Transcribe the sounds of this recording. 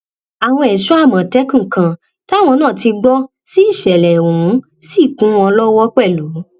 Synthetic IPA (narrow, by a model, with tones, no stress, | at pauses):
a˨w̃ɔ̃˧ɛ˨ʃu˦a˦˨mã˨tɛ˨˦kũ˦˨kã˨ | ta˦˨w̃ɔ̃˧nãː˦˨ti˧ɡ͡bɔ˦ | si˦i˦˨ʃɛ˨lɛ˨wũ˨˦ | si˦˨kũ˨˦w̃ɔ̃˧lɔ˦wɔ˦k͡pɛ˦˨lu˨˦